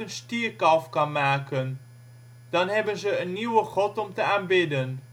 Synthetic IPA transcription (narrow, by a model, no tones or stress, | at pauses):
ənstiərkɑfkɑnmaːkən | d̥ɑnɦɛbənzəənːiwəχɔtɔmtəaːnbɪdən